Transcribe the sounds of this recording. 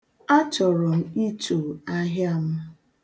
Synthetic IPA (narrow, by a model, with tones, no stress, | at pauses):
a˦t͡ʃɔ˨ɾɔ˨m̩˦i˦to˨a˦ɦja˦m̩˦